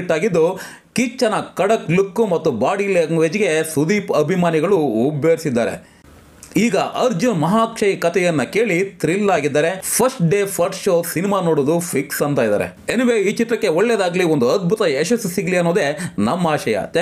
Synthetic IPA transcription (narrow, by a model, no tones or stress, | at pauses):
ʈːaːɡid̪ːu | kit͡ʃːɐnɐkɐɽɐklukːumɐt̪ːubaːɽileŋʋed͡ʒiɡe̞sud̪iːpɐbʱimaːniɡɐɭuːbjɐːɾsid̪ːa̰ːɾḛ | iːɡɐʔɐɾd͡ʒunmɐɦaːkʂɐjikɐt̪ʰɛjɐnːɐke̞ːɭit̪ɾilːaːɡid̪ːaːɾepʰɐɾsʈɖeːpʰɐɾʈʃoːsinimaːnoːɽoːd̪upʰiksɐnt̪aːjd̪a̰ːɾḛenɐʋeːiːt͡ʃit̪ɾɐkːe̞oɭːed̪aːɡliond̪uɐd̪̚bʱut̪ɐeʃɐsːusiɡliɐnːoːd̪e̞nɐmːɐaːʃɐjɐ̰t̪